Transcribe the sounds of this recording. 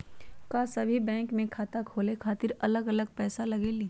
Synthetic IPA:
kasɐbʱibɛ̃ːŋkmẽkʰaːt̪akʰoːlekʰaːt̪ɪɾɐləɡɐləɡ̚pɛːsalɐɡeli

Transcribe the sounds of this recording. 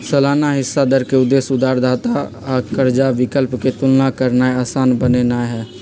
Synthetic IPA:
səlaːnaɦɪsːad̪əɾkeʊd̪ːeːsʊd̪aːɾd̪aːt̪a | akəɾd͡ʒaʋɪkəlpket̪ʊlnakəɾnaeaːsaːnbənenaɦɛː

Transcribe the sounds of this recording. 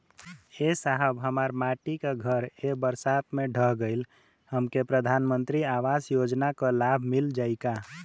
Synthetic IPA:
esaɦəbɦəmaɾmaʈikaɡʱəɾebəɾsat̪mẽɖʱəɦɡəɪl | həmkepɾəd̪ʱanmənt̪ɾiaʋasjod͡ʒnakalabʱmild͡ʒaːɪka

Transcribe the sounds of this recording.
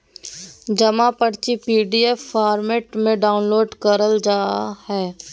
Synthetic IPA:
d͡ʒɐmapəɽt͡ʃipiːɖiefːaːɾmeːʈmẽɖaːʊnloːɖkəɾəld͡ʒaːahɛː

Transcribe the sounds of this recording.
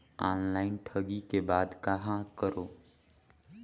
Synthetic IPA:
aːnlaːɪnʈʰəɡikebaːd̪kaɦãkəɾoː

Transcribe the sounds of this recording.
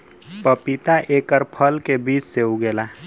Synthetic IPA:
pəpit̪aʔeːkəɾpʰəlkebiːt͡ʃseuɡeːla

